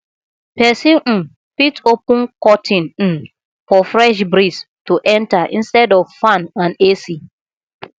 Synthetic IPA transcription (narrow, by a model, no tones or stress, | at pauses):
pɛsĩ | pitopũnkɔtʰɪ̃n̩ | fɔfɾɛʃ̬bɾis | tuʔɛ̃ntaʔɪ̰̃nstɛdɔvfãnãnesi